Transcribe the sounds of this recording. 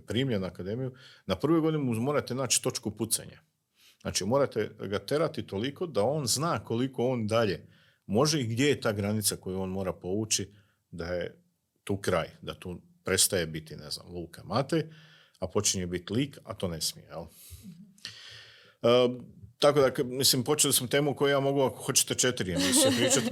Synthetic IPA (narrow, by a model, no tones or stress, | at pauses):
pɾiːmʎenuakad̪e̞mijunapr̩ʋojɡo̞d̪ineumoɾat̪enaːt͡ʃi̥t̪o̞t͡ʃkuput̪sḛɲa̰ | zna̰ːt͡ʃimo̞ːɾat̪eɡat̪eɾat̪it̪o̞liko̞d̪ao̞ːnznaːko̞liko̞o̞ːnd̪aʎe̞ | mo̞ʒe̞iɡd̪je̞jet̪aːɡɾanit̪sako̞juo̞ːnmo̞ːɾapo̞ʋut͡ʃi | d̪aje̞ | t̪uːkɾaːjd̪at̪uː | pɾe̞t̪st̪aje̞bit̪ine̞̰zna̰mlˠuːkʰamat̪ej | apo̞t͡ʃiɲebit̪liːka̰t̪o̞ːne̞smijejel | t̪ako̞d̪akmislimpo̞t͡ʃelismot̪e̞ːmuko̞jujaːmo̞ɡuakoxo̞t͡ɕe̥t̪et͡ʃe̞t̪ɾijemosopɾiːt͡ʃat̪